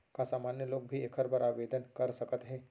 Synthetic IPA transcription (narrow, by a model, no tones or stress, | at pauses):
kasaːmaːnjəloːɡ̚bʱiekʰəɾbɐɾaːʋeːd̪ənkɐɾsɐkət̪ɦɛː